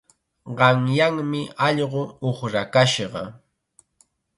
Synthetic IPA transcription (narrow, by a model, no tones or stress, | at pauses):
ɢɑŋjaŋmɪɑʎɢʊoχɾakaʃɢɑ̰